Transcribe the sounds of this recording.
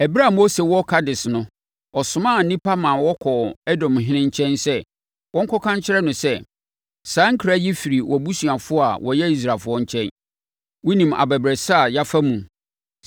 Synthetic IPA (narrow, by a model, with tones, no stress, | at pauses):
ɛ˨bi˦ɾa˦˨m̃˦ɔ˦sɛ˨wɔ˦kʰa˦dɪ˨snʊ̃˦ | ɔ˨sʊ˨mãː˦˨n̩˦nĩ˦pʰa˦mã˨wɔ˦kʰɔ˨ɛ˦dɔ̃˨mɦɪ̃˦nɪ̃˦ɲ˦t͡ɕʰɛ̃˦nsɛ˦ | wɔ̃˦ŋ̩˦kʰɔ˦kʰã˦ɲ˦t͡ɕʰɪ˦ɾɛ˦nʊ̃˨sɛ˦ | sãː˨˦ŋ̩˦kʰɾa˦jɛ˦fi˨ɾi˨wɔ˨bu˦sɥa˨fʊ˦ɔ˦a˨wʔɔ˨jɛ˦i˦s̬ɾaː˨fʊ˦ɔ˦ɲ̩˦t͡ɕʰɛ̃˦n | wʊ˦nĩ˨ma̰˨bɛ˨bɾɛ˨sa˦a˨ja˦fa˦mũ˨